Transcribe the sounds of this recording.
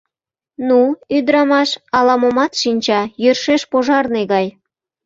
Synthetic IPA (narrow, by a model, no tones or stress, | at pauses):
nuyd̪ɾɑmɑʃɑlɑmomɑt̪ʃinʲt͡ɕɑjørʃeʃpoʒɑrneɣɑj